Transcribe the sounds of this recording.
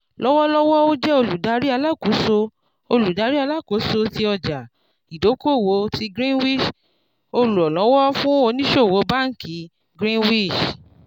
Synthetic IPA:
lɔ˦wɔ˦lɔ˦wɔ˦o˦d͡ʒɛ˦o˧lu˨da˨˦ɾi˦a˧la˦˨ku˨˦so˧ | o˧lu˨da˨˦ɾi˦a˧la˦˨ko˨˦so˧ti˧ɔ˧d͡ʒa˨ | i˨do˨˦ko˦˨wo˨˦ti˧ɡɾĩ˦nwi˦˨ʃ | o˧lu˨ɔ˨lɔ̃˨˦wɔ˦fũ˦o˧nĩ˦ʃo˦˨wo˨˦ba˦ŋ̩˦kʰi˨˦ | ɡɾĩ˦wi˦˨ʃ

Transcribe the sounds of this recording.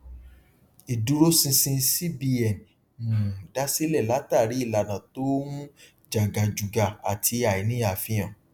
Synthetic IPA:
i˨du˨˦ɾo˦sĩ˧sĩ˧si˦bi˧ɛ˨n | ũ˨da˦si˦lɛ˦˨la˨˦ta˦˨ɾi˨˦i˦˨la˨nã˨to˦mũ˦ | d͡ʒa˨ɡa˨d͡ʒu˨ɡa˨a˨tʰi˧a˨i˨nĩ˦a˨fĩ˧j̃ã˨

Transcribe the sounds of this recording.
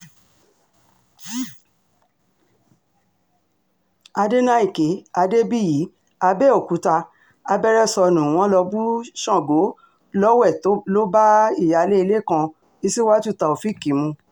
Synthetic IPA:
a˧de˦nã˦i˦˨ke˨˦a˧de˦bi˦jiː˨˦ | a˧bɛ˦o˨ku˨˦ta˧ | a˧bɛ˦ɾɛ˦sɔ˧nũ˨w̃ɔ̃˨˦lɔ˧bu˦ʃɔ̃˦˨ɡo˨˦ | lɔ˦wɛ˦˨to˨˦lo˦ba˦i˦˨ja˨le˦i˧le˦˨kã˧ | i˧si˦wa˦tu˦˨ta˧˨o˨fi˦˨ki˨˦mũ˧

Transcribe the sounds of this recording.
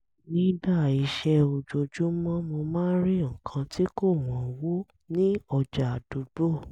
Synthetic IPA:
nĩ˦da˦˨i˧ʃɛ˧o˧d͡ʒo˨˧d͡ʒũ˨˦mɔ̃˦mo˧mãː˦ɾi˦ŋ̩˨kʰã˧tʰi˦ko˦˨w̃ɔ̃˨wo˦ | nĩ˦ɔ˧d͡ʒa˨do˨bo˦˨

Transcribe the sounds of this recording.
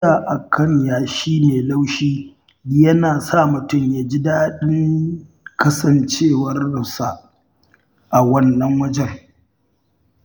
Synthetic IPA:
aː˨ʔa˨kʰɐ˦ɲjaː˨ʃiː˦neː˨la˦wʃiː˦ | jɐ˦naː˨sa˦˨mʊ˨tʊ˦˨mja˨d͡ʒi˦daː˦ɗɪ˦ŋ | kɐ˦sɐ˨nt͡ʃeː˦˨wɐ˦rsa˨ʔ | ʔa˨wɐ˦nːɐ˦ŋwɐ˦d͡ʒɛ˦˨ŋ

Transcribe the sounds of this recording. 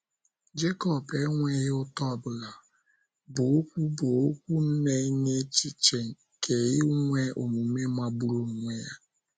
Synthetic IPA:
d͡ʒe˦kɔ˦pe˦ŋʷe˦ɣɪ˦ʊ˦tɔ˦˨bʊ˨la˨ | bʊ˨o˦kʷu˦bo˨o˦kʷu˦m̩˦ne˦i˦ɲe˦t͡ʃi˦t͡ʃe˨ŋ̩˨ | kʰe˨ɣɪ˦ŋʷe˦ʔo˨mu˨m̩˦me˦ma˦bu˦ɾu˦ŋ̩˨ŋʷe˦ja˦

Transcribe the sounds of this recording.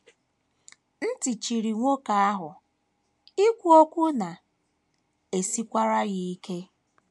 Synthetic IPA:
n̩˦ti˨t͡ʃi˨ɾi˨ŋʷo˦ka˨a˦ɦʊ˨ | i˦kʷu˨˦o˦kʷu˦na˨ | e˨si˦kʷa˦ɾa˦ɣi˦i˦ke˦

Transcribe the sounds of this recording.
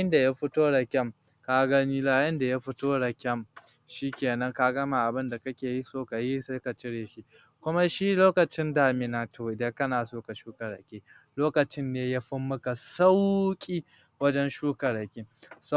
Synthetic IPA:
ɪ˦nda˨ja˦ɸʊ˦toː˦ɽa˨kʲɐ˦˨m | kaː˦ɡɐ˦ni˦laː˨jɐ˦nda˨ja˦ɸʊ˦toː˦ɽa˨kʲɐ˦˨m | ʃiː˦kʲeː˨nɐ˦ŋka˦ɡɐ˦ma˨ʔa˨bɪ˦nda˨kɐ˦kʲeː˨ji˦soː˦ka˨ji˦seː˦ka˨t͡ʃɪ˦ɽeː˨ʃi˦ | kʷʊ˦ma˦ʃi˦loː˦kɐ˨t͡ʃɪ˦ndaː˨mɪ˨naː˨tʰoː˨de˦kɐ˦naː˨soː˦ka˨ʃuː˦kɐ˨ɽɐ̰˨kʲeː˦ | loː˦kɐ˨t͡ʃɪ˦nːeː˦ja˦ɸʊ˦mːʊ˦ka˨sa˦wkʲʼiː˦ | wɐ˦d͡ʒɛ˦nʃuː˦kɐ˨ɽɐ˨kʲe˦so˦˨

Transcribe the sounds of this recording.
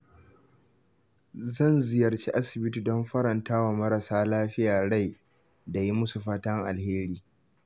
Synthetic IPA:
zɐ˦˨nzɪ˨jɐ˨rt͡ʃe˦ʔa˦sɪ˨bɪ˦ti˨dɔ˦mɸɐ˦ɾɐ˨ntaː˦wa˨mɐ˦ɾɐ˨saː˦laː˦ɸɪ˦jaː˨ɽa˦˨j | da˨ji˦mʊ˦su˨ɸaː˦tɐ˦ŋʔa˨lheː˦ɾiː˦

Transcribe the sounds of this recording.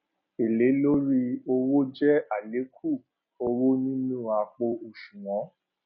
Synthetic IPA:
e˨le˨˦lo˦ɾi˧o˧wo˦d͡ʒɛ˦a˦˨le˨˦kʰu˦˨ | o˧wo˦nĩ˦nũ˦˨a˧k͡po˧o˨ʃũ˨w̃ɔ̃˨˦

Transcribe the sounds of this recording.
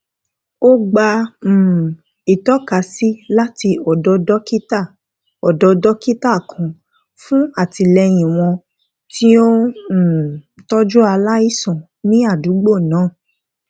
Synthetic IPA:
o˦ɡ͡ba˧m̩˨ | i˨tɔ˦ka˨˦si˦la˦ti˧ɔ˨dɔ˧dɔ˦ki˦ta˦˨ | ɔ˨dɔ˧dɔ˦ki˦ta˦˨kʰã˨˧ | fũ˦a˦˨ti˧lɛ˧j̃ĩ˨w̃ɔ̃˧ | tʰi˦õ˦˨ | tɔ˦d͡ʒu˦a˧la˦i˦˨sɔ̃˨ | nĩ˦a˦˨du˨˦ɡ͡bo˦˨nãː˨˦˨

